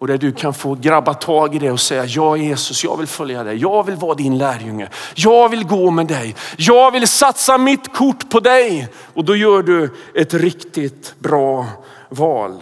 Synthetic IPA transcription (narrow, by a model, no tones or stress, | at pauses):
ɔd̪æɖɵkʰanfoːɡɾabːat̪ʰɑːɡɪd̪ɛɔsɛjːajɑːjeːsɵsjɑ̰ːɡvɪlfœljad̪ɛjjɑːɡvɪlvɑːd̪ɪnlæːɾjɵŋːə̰jɑːɡvɪlɡoːmɛd̪ɛjjɑːɡvɪlsat̪samɪt̪kʰʊʈːpʰɔd̪ɛj | ɔd̪ɔjœːɖɵɛt̪ɾɪkt̪ɪt̪bɾɑː | vɑːl